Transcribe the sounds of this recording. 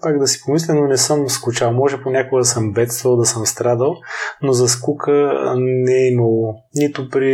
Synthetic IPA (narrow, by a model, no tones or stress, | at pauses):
kaɡd̪ɐsi̥pomislɛnonɛsɤmskʊt͡ʃalˠmɔʒɛponʲakoɡəd̪ɐsəmbɛt̪st̪vɐlˠd̪ɐsəmst̪ɾad̪əlˠnozɐskukʰənɛɛiməlˠ | nit̪ʊpɾi